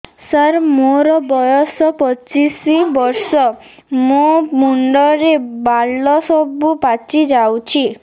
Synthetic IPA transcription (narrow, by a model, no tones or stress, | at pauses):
səɾmoɾɔbɔjɔsɔpɔt͡ʃisibɔɾsɔ | mũmuɳɖɔɾebalɔsɔbupat͡ʃid͡ʒawt͡ʃʰi